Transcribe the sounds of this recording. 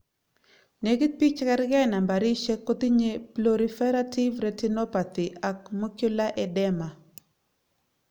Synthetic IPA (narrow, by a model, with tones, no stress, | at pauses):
ne˨ɡi˦t̪̚pi˦t͡ʃkɛ˦ɾɡɛ˦na˨mba˨ɾi˦ʃe˦kːo˦t̪i˦ɲe˦ploɾi˦fɛ˦ɾa˦ti˦vɾɛ˨ti˦nɔ˦pa˨t̪i˨ʔa˨k̚mo˦kjʊ˦la˦ʔɛ˦dɛ˦ma˨